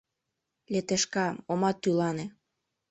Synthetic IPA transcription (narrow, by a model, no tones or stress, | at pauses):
let̪eʃkɑomɑt̪ːylɑne